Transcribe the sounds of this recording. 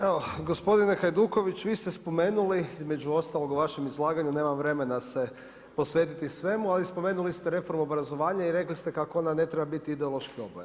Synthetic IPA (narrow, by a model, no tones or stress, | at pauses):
eʋoɡo̞spo̞d̪inexajd̪uːko̞ʋit͡ɕʋiːst̪espo̞me̞ːnuliizme̞d͡ʒuo̞st̪alo̞ɡuʋaʃemizlˠaːɡaɲune̞ːmamʋɾe̞me̞nase̞ | po̞sʋe̞ːt̪it̪isʋe̞mualispo̞me̞ːnulist̪eɾe̞fo̞ɾmuobɾazo̞ʋaːɲaiɾe̞klist̪ekakoo̞nane̞t̪ɾebabit̪iid̪eo̞lˠo̞ʃkio̞bojḛ